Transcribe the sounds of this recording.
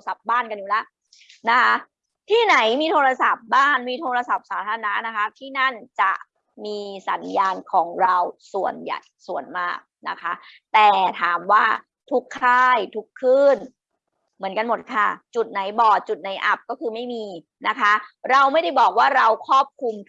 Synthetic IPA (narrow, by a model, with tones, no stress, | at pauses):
sa˨˩p̚baː˥˩nka˧njuː˨˩la˦˥ʔ | na˦˥kʰa˦˥ | t̪ʰiː˥˩na˩˦jmiː˧t̪ʰoː˧ɾa˧sa˨˩p̚baː˥˩nmiː˧t̪ʰoː˧ɾa˧sa˨˩p̚saː˩˦t̪ʰaː˧a˧na˦˥na˦˥kʰa˦˥t̪ʰiː˥˩na˥˩nt͡ɕa̰˨˩ʔ | miː˧sa˩˦njaː˧nkʰɔː˩˦ŋɾa˧wsu˨˩ənja̰˨˩jsu˨˩ənmaː˥˩k̚na˦˥kʰa˦˥t̪ɛː˨˩t̪ʰaː˩˦mwaː˥˩ | t̪ʰu˦˥kʰːaː˥˩jt̪ʰu˦˥kʰːɯː˥˩n | mɯ˩˦ənka˧nmo˨˩t̪̚kʰa˥˩t͡ɕu˨˩t̪̚na˩˦jbɔː˨˩t̪̚t͡ɕu˨˩t̪̚na˩˦jʔa˦˥p̚kɔː˥˩kʰɯː˧ma˥˩jmiː˧ | na˦˥kʰa˦˥ɾa˧wma˥˩jda˥˩jbɔː˨˩k̚waː˥˩ɾa˧wkʰɔː˥˩p̚kʰu˧m